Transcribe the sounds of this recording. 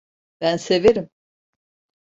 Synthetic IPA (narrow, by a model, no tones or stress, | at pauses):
b̥ænse̞veɾim